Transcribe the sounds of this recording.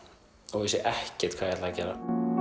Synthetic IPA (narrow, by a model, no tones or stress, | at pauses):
ɔɣvisjɛʔɛhcɛɾ̥t̪kʰvaːjɛt̪lacɛːɾa̰